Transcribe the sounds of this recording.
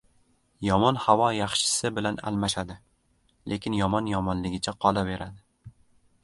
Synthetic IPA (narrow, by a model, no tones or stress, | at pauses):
jɒmɒnhavɒjɑχʃɪ̥sɪbɪlana̰lmaʃad̪ɪ | lʔe̞kʲɪnjɒmɒnjɒmɒnlɪɡʲɪt͡ʃʰaqʰɒlˠabe̞ɾad̪ɪ